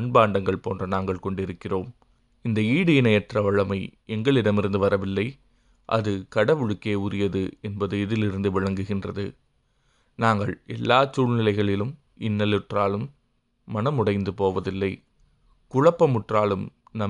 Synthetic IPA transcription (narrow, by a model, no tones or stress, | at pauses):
ɳbaːɳɖɐŋɡɐɭpo̰ːndrɐnaːŋɡɐɭkɔɳɖɪɾɯkːɪroːm | ɪnd̪ɐiːɽɯjɪnɐjɛʈrɐʋɐɻɐmɐɪ | ɛŋɡɐɭɪɽɐmɪɾɯnd̪ɯʋɐɾɐʋɪlːɐɪ | ʔɐ̰ðɯkɐɽɐʋɯɻɯkːeːʊɾɪjɐðɯɛnbɐðɯɪðɪlɪɾɯnd̪ɯʋɪɻɐŋɡɯɣɪndrɐðɯ | naːŋɡɐɭɛlːaːt͡ʃuːɻnɪlɐɪɣɐɭɪlɯm | ɪnːɐlɯʈraːlɯmː | ɐnɐmʊɽɐɪnd̪ɯpoːʋɐðɪlːɐɪ | kʊɻɐpːɐmʊʈraːlɯm | nɐ